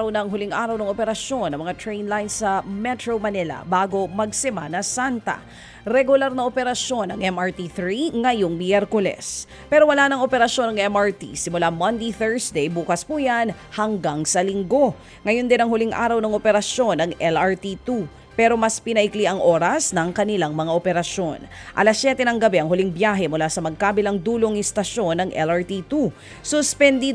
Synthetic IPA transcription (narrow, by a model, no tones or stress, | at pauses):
ɐwnɐŋɦʊliŋʔaːɾɐwnɐŋopɛɾɐʃjo̞nɐŋmɐŋat̪ɹɛjnlajnsɐmɛt̪ɹowmɐnɛlɐ̰baːɡo̞mɐɡ̚sɛmanɐsant̪ɐ̰ | ɾɛɡʊlaɾnɐʔopɛɾɐʃjo̞nɐŋʔɛmʔaɹt̪iθɾiŋɐjoŋmjɛɾkʊlɛ̰s | pɛɾowɐlaːnɐŋo̞pɛɾɐʃjo̞nɐŋʔɛmʔaɹt̪ḭsɪmʊlamɐnd̪ejθɛɹsd̪ɛjbuːkɐspuːjan | hɐŋɡaŋsɐlɪŋɡo̞ | ŋɐjond̪ɪnɐŋhʊliŋʔa̰ːɾɐwnɐŋʔopɛɾɐʃjo̞nɐŋɛlɐɹt̪it̪u | pɛɾo̞mɐspɪnɐʔɪkliʔɐŋʔo̞ːɾɐsnɐŋkɐnɪlaŋmɐŋaʔopɛɾɐʃjo̞nʔɐ̰lasjɛt̪ɛnɐŋɡɐbɛʔɐŋhʊliŋbjaːɦɛmʊlasɐmɐɡ̚kaːbɪlɐŋd̪uːloŋɪst̪ɐʃo̞nɐŋʔɛ̰laɹt̪it̪u | sʊspɛnd̪i